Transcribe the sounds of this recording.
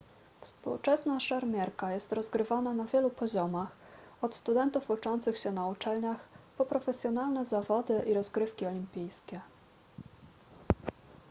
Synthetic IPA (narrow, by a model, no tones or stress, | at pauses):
fspṵwt͡ʂɛsnaʂaɾmʲjɛɾkajɛst̪ɾɔzɡɾɘvananavʲjɛlupɔʑɔmax | ɔt̪st̪ud̪ɛnt̪ufut͡ʂɔnt̪sɘxɕɛnaut͡ʂɛlɲaxpɔpɾɔfɛsʲjɔnalnɛzavɔd̪ɘʔiɾɔzɡɾɘfkʲiɔlʲimpʲijskʲɛ